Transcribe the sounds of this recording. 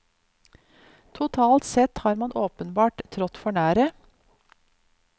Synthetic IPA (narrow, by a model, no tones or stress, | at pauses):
t̪ʰʊt̪ʰɑːlt̪sɛt̪hɑːɾmɑnʔoːpənbɑːʈt̪ʰɾɔt̪fɔɳæːɾə